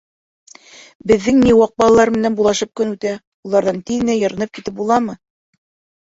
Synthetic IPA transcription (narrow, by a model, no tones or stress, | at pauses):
bɘ̆ðːɘŋniwɑq̚bɑlˠɑlˠɑɾmɘ̆nænbulˠɑʃɤp̚kɵnʉt̪æ | ulˠɑɾðɑnt̪iðɘ̆næjɤ̆ɾɤ̆nɤp̚kit̪ɘp̚bulˠɑmɤ